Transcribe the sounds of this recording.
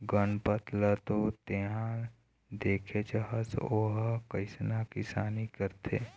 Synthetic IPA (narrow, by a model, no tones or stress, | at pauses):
ɡənpət̪lət̪ot̪eɦã | d̪eːkʰet͡ʃəɦəsoɦkəɪsnakɪsaːnikəɾt̪ʰeː